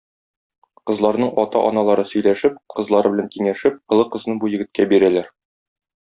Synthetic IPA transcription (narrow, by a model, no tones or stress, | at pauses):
qɤ̆zlˠɑɾnɤɴɒt̪ɑ̰ʔɒ̰nɑlˠɑɾɤsɵ̆jlæʃɘp̚qɤ̆zlˠɑɾɤbɘ̆æŋkiŋæʃɘp̚qɤ̆lˠɤqɤ̆znɤbujɘ̆ɡɘ̆t̪̚kæbiɾælæɾ